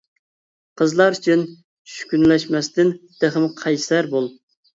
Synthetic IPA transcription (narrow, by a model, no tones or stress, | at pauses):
qʰəzlˠɑɾyt͡ʃʰyn | ʃy̥kʲynlɛʃmɛst̪ɪnd̪̥æχɨmqʰɑjssæɾbolˠ